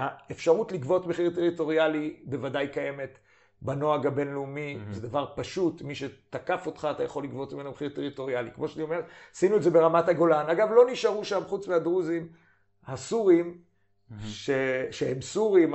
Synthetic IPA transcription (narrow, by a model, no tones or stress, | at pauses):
aefʃaʁutlikvo̞tmeχiʁteʁito̞ʁjalibe̞vadajkaje̞me̞t | bano̞aɡabe̞nleumized̪avaʁpaʃutmiʃet̪akafo̞tχaːt̪ajaχo̞lːikvo̞tmimenmeχiʁt̪eʁito̞ʁialikmo̞ʃanio̞me̞ʁsinuetzebe̞ʁamathaɡo̞lanaɡavlo̞niʃaʁuʃamχut͡smeadʁuzim | hasuʁim | ʃeʃehemsuʁim